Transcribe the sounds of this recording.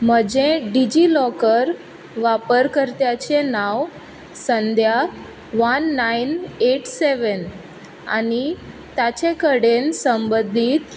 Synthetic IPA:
m̤əd͡ʑẽɖid͡ʑilɔkəɾ | ʋapəɾkəɾt̪jat͡ɕenaʋ | sənd̪ʱja | ʋənːaineʈseʋən | a̰ni | t̪at͡ɕekəɽensəmbəd̪ʱiːt̪

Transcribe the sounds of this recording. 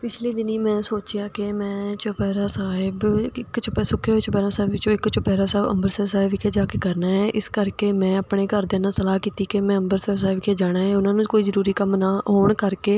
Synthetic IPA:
pɪt͡ʃʰliːd̪ɪniːmɛ̃ːsoːt͡ʃɪjaːkɪmɛ̃ːt͡ʃʊpɛːɾaːsaːɪbɪkt͡ʃpɛsʊkʰːet͡ʃpɛːɾãːsaːɪbɪt͡ʃõːɪkt͡ʃʊpɛːɾaːsɛːbə̰mbəɾsəɾsaːɪbɪkʰeːd͡ʒaːkekəɾnaːɦɛːʔɪskəɾkeːmɛ̃ːəpɳeːkəɾd̪eːnãːsəlaːkiːt̪iːkemɛ̃ːəmbəɾsəɾs̬aːɪbkʰeːd͡ʒaːɽ̃aːɦɛːʊnãːnũːkoːiːzəɾuːɾiːkəmnaːɦoːɳkəɾkeː

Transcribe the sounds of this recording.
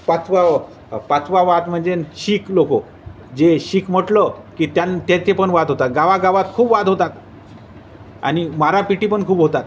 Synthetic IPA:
pat͡sʰʋa | pat͡sʰʋaʋat̪m̤əɳd͡zenɕiːkloko | d͡zeɕiːkm̤əʈləkiːt̪jant̪et͡sepəɳʋad̪ʱɦot̪at̪ɡaʋaɡaʋat̪kʰuːpʋad̪ʱɦot̪at̪ | a̰ñimaɾapiʈipəɳkʰuːbɦot̪at̪

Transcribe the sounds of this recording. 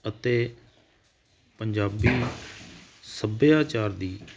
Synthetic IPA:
ət̪eː | pəɲd͡ʒaːbiː | səbjaːt͡ʃaːɾd̪iː

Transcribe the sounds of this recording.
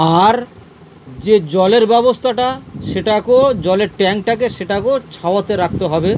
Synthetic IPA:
aɾ | d͡ʑed͡ʑɔleɾbɛbost̪ʰaʈaʃeʈakod͡ʑɔleɾʈɛŋk̚ʈakeʃeʈakot͡ɕʰaoat̪eɾak̚t̪eɦɔbe

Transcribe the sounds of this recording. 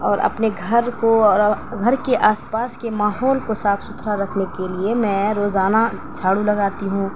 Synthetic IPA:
ɔːɾɐ̰pneɡʱɐɾkoɔːɾɡʱɐɾkeʔaːspaːskemaːɦɔːlkosaːfʰsʊt̪ʰɾaɾɐkʰnekeliemɛ̃ːɾoːzaːnat͡ʃʰaːɽulɐɡaːt̪iɦũː

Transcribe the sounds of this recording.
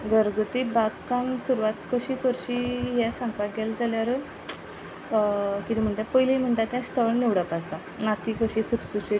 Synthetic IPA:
ɡəɾɡut̪ibakːãŋsuɾuʋat̪kəɕiːkəɾɕiɦɛsãŋɡpaɡɛld͡zaljaɾə | kit̪im̤əɳt̪apəjlim̤əɳt̪at̪ɛ̃st̪ʰəʋɳniʋɽəpad͡zt̪a | nat̪ikəɕiːsuɾsuɾɕi

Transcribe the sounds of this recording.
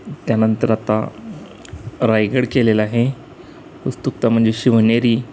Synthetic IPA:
t̪janənt̪əɾat̪a̰ | ɾajɡəɽkelelaɦe | ʋust̪uk̚t̪am̤əɳd͡zeɕiʋəɳjaɾiː

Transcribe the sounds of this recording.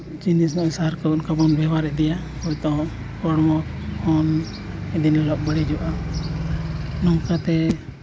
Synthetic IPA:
t͡ʃinisnɔ̃ʔsaɾkəunkabɔnbɛwaɾɛʔd̪ɛja | hɔjt̪ɔ | kɔɽmɔɔn | ɛd̪inɔlɔʔ̚bəɽɛd͡ʒɔʔa | nɔŋkat̪ɛ

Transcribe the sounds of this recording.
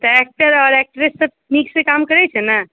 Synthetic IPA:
t̪ɔɛk̚ʈəɾɔːɾɛk̚ʈɾesːə | niksekamkəɾɛt͡ʃʰɛna

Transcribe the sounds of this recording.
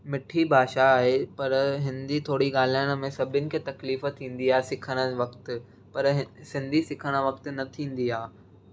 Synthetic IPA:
mɪʈʰibʱaːʃaːɦepɐɾɦɪnd̪it̪ʰoːɽiɠaːl̤iəɽ̃ə̆mẽsɐbʱɪnɪ̆kʰeːt̪ɐkliːft̪ʰĩːn̆d̪iaːɦesɪkʰəɽ̃ə̆ʋɐkt̪ | pɐɾɦsɪ̃nd̪ʱisɪkʰəɽ̃ə̆ʋɐkt̪̆nɐt̪ʰĩːnd̪iaː

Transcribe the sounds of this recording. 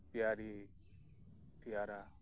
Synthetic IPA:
t̪jaːɾi | t̪ijaɾa

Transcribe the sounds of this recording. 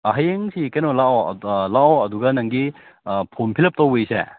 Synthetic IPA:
ɐɦajeŋsikɐjnolao̰laoɐduɡɐnɐŋɡi | pʰonpʰilɐp̚towejsḛ

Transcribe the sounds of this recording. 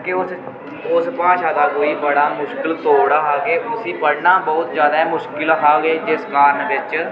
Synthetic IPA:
keʊs | ʊspãːʃaːd̪aːkoːiːbəɽaːmʊʃkɪlt̪oːɽaːɦaːɡeːʊsiːpəɽnãːbɔːt̪d͡ʒjaːd̪aːɛmʊʃkɪlɦaːɡeːd͡ʒɪskaːɾnbɪt͡ʃ

